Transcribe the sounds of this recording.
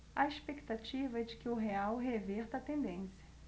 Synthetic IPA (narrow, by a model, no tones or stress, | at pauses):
ɐespekt̪at͡ʃivɐɛd͡ʒɪkɪʊɦeawɦeveɾt̪ɐt̪ẽnd̪ẽsjɐ